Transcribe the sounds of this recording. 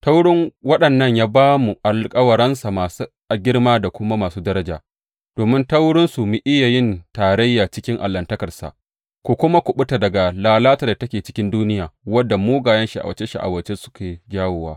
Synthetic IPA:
ta˦wɽɪ˦ŋwɐ˦ɗɐ˨nːɐ˦˨ɲjaː˦baː˦mu˨ʔa˨lkʼɐ˦wɐ˨ɾɐ˦nsa˨maː˨su˦ʔa˨ɡʲɪ˦rmaː˦da˨kʷʊ˦ma˦maː˨suː˦dɐ˦ɾɐ˦d͡ʒaː˨ | d̥oː˨mɪ˦ntɐ˦wɽɪ˦nsu˨mi˨ʔɪ˦ja˨jɪ˦ntaː˨ɽɐ˦jːaː˨t͡ʃɪ˦kʲɪ˦ŋʔa̰˨lːɐ˨ntɐ˦kɐ˨rsa̰˨ʔ | kʷu˨kʷʊ˦ma˦kʷʊ˨ɓʊ˦ta˨dɐ˨ɡa˨laː˨laː˦ta˨da˨tɐ˦kʲeː˨t͡ʃɪ˦kʲɪ˦nduː˦nɪ˦jaː˨wɐ˦dːa˨muː˦ɡaː˨jɐ˦nʃi˨ʔa̰˨wɐ˨t͡ʃe˦ʃi˨ʔa̰˨wɐ˨˦t͡ʃe˦sʊ̥˦kʲʰeː˨d͡ʒaː˦woː˨waː˦

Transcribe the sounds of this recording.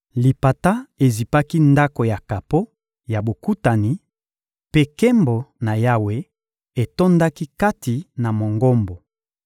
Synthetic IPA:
li˨pa˨ta˦e˨zi˨pa˦ki˦nda˦ko˨ja˨ka˨po˦ | ja˨bo˨ku˦ta˨ni˨˦ | pe˦kɛ˦mbo˨na˨ja˦we˦ | e˨to˦nda˦ki˦ka˦ti˨na˨mo˨ŋɡo˦mbo˨

